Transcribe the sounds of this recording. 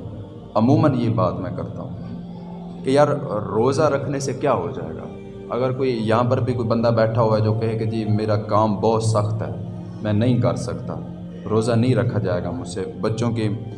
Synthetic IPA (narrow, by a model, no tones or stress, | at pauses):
ɐmuːmənjebaːt̪mɛ̃kɐɾt̪a̰ɦũː | kejaːɾɾoːzaɾɐkʰnesekjaːɦod͡ʒa̰ːḛːɡa̰ː | ɐɡəɾkoːijɐɦãpəɾbʱikbɐ̃nd̪abɛːʈʰaɦoɛd͡ʒoːkɛɦẽked͡ʒiːmeːɾakaːmbɔːt̪sɐxt̪ɦɛ̰ː | mɛ̃ːnɐɦĩkɐɾsəkt̪a̰ː | ɾoːzanɐɦĩɾɐkʰːad͡ʒaːeːɡamʊd͡ʒsebɐtːʃõki